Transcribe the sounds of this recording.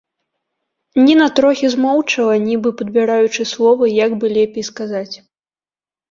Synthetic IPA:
nʲinat̪ɾɔxʲizmɔwt͡ʂɐlˠɐnʲibɨpɐd̪̚bʲɛɾajut͡ʂɨslˠɔvɐjaɡbɨlʲɛpʲejskazat͡sʲ

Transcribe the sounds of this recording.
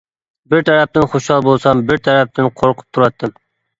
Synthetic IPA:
bɪɾt̪ʰæɾɛp̚t̪ɪnχoʃhɑlˠbolˠsɑmbɪɾt̪ʰæɾɛp̚t̪ɪnqʰoɾqʰʊ̥p̚t̪ʰuɾɑt̪ʰːɨm

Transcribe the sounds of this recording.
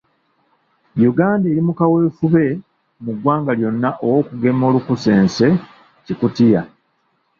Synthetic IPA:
juɡaːndeːɾimukawe̞ːfuβe̞ | muɡwaːŋɡaljo̞nːaʔo̞wo̞ːkuɡe̞mo̞ːlukuse̞ːnse̞ | cikutija

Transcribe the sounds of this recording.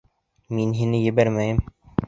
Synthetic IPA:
minɦinɘjĕbæɾmæjɘm

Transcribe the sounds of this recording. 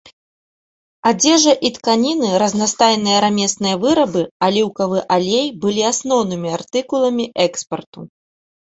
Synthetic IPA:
ad͡zʲɛʐɐʔit̪kanʲinɨɾɐznast̪ajnɨjɐɾamʲɛsnɨjɐvɨɾɐbɨalʲiwkɐvɨʔalʲejbɨlʲiasnɔwnɨmʲiart̪ɨkulˠɐmʲiʔɛkspɐrt̪u

